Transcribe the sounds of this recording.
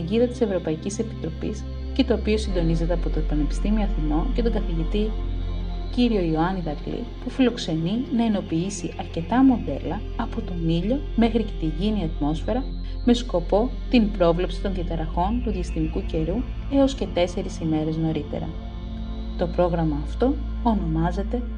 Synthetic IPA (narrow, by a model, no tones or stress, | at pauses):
iʝiðɐt̪i̥se̞vɾo̞pɐicise̞pi̥t̪ɾo̞pḭs | ce̞t̪o̞ːpio̞sind̪o̞nize̞t̪e̞ɐpo̞t̪oepɐne̞pist̪imioɐθino̞ce̞t̪o̞ŋɡɐθiʝit̪i | ciɾio̞ioɐniðɐɡlḭpufilo̞kse̞ninɐeno̞piisiʔɐɾce̞t̪ɐmo̞ðe̞̰lɐ | ɐpo̞t̪o̞niʎo̞ | me̞xɾicet̪iʝiniɐt̪mo̞sfe̞ɾɐ | me̞sko̞po̞ | t̪impɾo̞vle̞psi̥t̪onðijɐt̪ɐɾɐxo̞nt̪uðiɐst̪imikuce̞ɾu | e̞o̞sce̞t̪e̞se̞ɾisime̞ɾe̞zno̞ɾit̪e̞̰ɾɐ̰ | t̪o̞pɾo̞ɣɾɐmɐːft̪o̞ː | no̞mɐze̞t̪e̞